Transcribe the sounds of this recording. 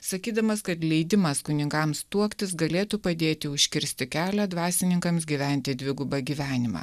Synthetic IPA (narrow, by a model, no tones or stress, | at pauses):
sɐkʲiːd̪ɐmɐskɐt̪lʲɛɪd̪ʲɪmɐskʊnʲɪŋkɐmst̪uɔkt̪ʲɪs̬ɡɐlʲeːt̪upɐd̪ʲeːt̪ʲɪʊʃʲkʲɪɾʲsʲt̪ʲɪkʲæːlʲæd̪ʋɑːsʲɪnʲɪŋkɐmsɡʲiːʋʲæˑnʲt̪ʲɪd̪ʲʋʲɪɡʊbɐɡʲiːʋʲæːnʲɪmɑ̰ː